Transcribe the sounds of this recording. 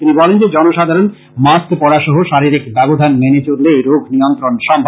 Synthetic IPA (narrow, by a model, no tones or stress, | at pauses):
t̪inibɔlend͡ʑed͡ʑɔnoʃad̪ʱaɾon | maskpɔɽaʃɔɦoʃaɾiɾikbɛbod̪ʱanmenet͡ɕoɾleɾoɡʱnijont̪ɾonʃɔmbʱ